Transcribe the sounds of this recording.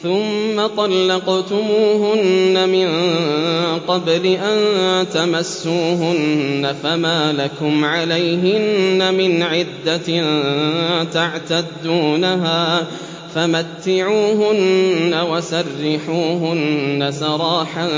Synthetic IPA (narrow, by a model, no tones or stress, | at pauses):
θʊmːat̪ˤɑlːɑqt̪ʊmuːɦʊnːamɪn | qɑblɪʔant̪amasːuːɦʊnːafamaːlakʊmʕalajɦɪnːamɪnʕɪd̪ːa | t̪aʕt̪ad̪ːuːnaɦaː | famat̪ːɪʕuːɦʊnːawasɑrːɪħuːɦʊnːasɑɾˤɑːħan